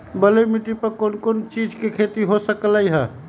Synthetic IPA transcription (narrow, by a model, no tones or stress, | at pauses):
bəlemiʈipəɾkonkont͡ʃid͡ʒkekʰet̪iɦosəkləjɦə